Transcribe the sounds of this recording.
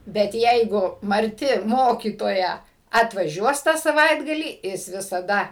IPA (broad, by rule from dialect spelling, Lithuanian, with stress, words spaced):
bʲɛt ˈjɛɪɡʊ mɐrʲˈtʲɪ ˈmoːkʲiːtoːjɛ ɐtʋɐˈʒʲuɔs tɑː sɐˈʋɐɪdɡɐlʲiː ˈjɪs ʋʲɪsɐˈdɐ